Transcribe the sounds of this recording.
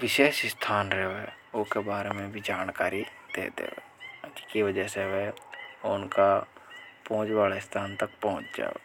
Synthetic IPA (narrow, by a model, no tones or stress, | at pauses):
ʋɪʃeːʃst̪ʰaːnɾɛɦʋeʊkebaːɾemẽbʱid͡ʒaːnkaːɾid̪̥ḛːd̪ḛːʋḛːət͡ʃkiʋəd͡ʒəseʋeʊnka | pɔ̃ɦʊ̃t͡ʃʋaːlaɪst̪ʰaːnt̪ək̚pɔɦʊ̃t͡ʃd͡ʒa̰ːʋḛː